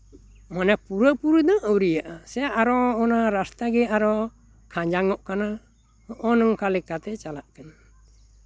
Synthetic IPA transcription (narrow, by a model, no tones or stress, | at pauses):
mɔnɛk̚puɾəpuɾud̪ɔʔəwɾijaʔasɛaʔaɾɔɔnaɾast̪aɡɛaɾɔ | kʰãɲd͡ʒaŋɔʔkana | ɔʔɔnɔŋkalɛkat̪ɛt͡ʃalaʔkɛna